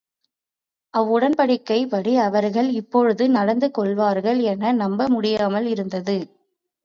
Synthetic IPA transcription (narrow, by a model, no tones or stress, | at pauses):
ʔɐʋʊɽɐnpɐɽɪkːɐɪpɐɽiɐʋɐɾɣɐɭɪpːɔɻɯðɯnɐɽɐnd̪ɯkɔɭʋaːɾɣɐɭɛnɐnɐmbɐmʊɽɪjaːmɐlɪɾɯnd̪ɐðɯ